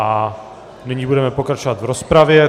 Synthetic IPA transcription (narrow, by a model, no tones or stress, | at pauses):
a | nɪɲibudɛmɛpokɾat͡ʃovat̪vɾospɾavjɛ